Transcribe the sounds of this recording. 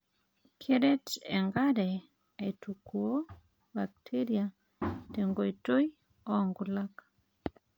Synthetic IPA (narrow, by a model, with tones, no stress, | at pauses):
kʰe˦ɾe˦tɛ˨ŋɡadɛ˨ | etu˨ku˨o˦ | ba˨k̚tʰe˦ɾia | te˨ŋɡo˨i˨to˦j | ɔ˦ŋɡu˨lak